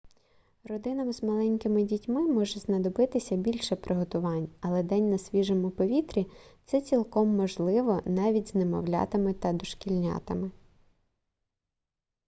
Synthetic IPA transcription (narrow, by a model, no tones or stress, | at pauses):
rɔd̪ɪnɐmzmɐlˠɛnʲkɪmɪdʲitʲmɪmɔʒɛznɐd̪ɔbɪt̪ɪsʲɐbʲilʲʃɛpɾʔɪɦɔt̪ʊʋɑnʲɐlˠɛd̪ɛnʲnɐsʲʋʲiʒɔmʊpɔʋʲit̪ɾʲit̪sɛt͡sʲilˠkɔmːɔʒlˠɪʋɔnɑʋʲidʲz̥nemɔ̰wlʲɑ̰t̪ɪmɪt̪ɐd̪ɔʃkʲilʲnʲɑ̰t̪ɪmɪ